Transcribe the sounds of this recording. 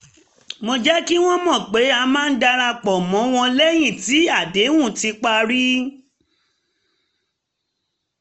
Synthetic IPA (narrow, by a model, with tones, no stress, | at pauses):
mo˧d͡ʒɛ˦ki˦w̃ɔ̃˦mɔ̃˦˨k͡pe˨˦a˧mãː˦˧n̩˦da˧ɾa˧k͡pɔ˨mɔ̃˨˦w̃ɔ̃˧lɛ˦j̃ĩ˦˨ti˨˦a˦˨de˨˦wũ˦˨ti˧k͡pa˧ɾi˦